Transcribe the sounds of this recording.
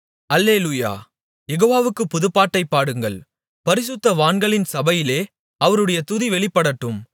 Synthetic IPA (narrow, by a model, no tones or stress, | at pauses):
ɐlːeːluːja̰ː | jɛɣoːʋaːʋɯkːɯpʊðɯpːaːʈːɐɪpːaːɽɯŋɡɐɭ | pɐɾɪsɯt̪ːɐʋaːɳɡɐɭɪnsɐbɐjɪleː | ɐʋɐɾɯɽɐjɐt̪ʊðiʋɛɭɪpːɐɽɐʈːɯm